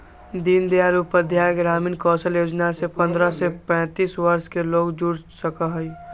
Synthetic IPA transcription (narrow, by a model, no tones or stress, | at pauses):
d̪ind̪jaɾupəd̪ʱjaːjəɡɾaːminkɔːsəljoːd͡ʒnasepə̃nd̪ɾəsepɛ̃ːt̪iːswəɾʃkeloːɡd͡ʒuɽsəkaɦəi